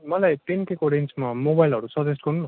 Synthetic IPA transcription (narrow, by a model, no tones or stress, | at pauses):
mʌlajt̪inkekoɖensmamobajilɦʌɾusʌd͡zʌsʈkʌrnuno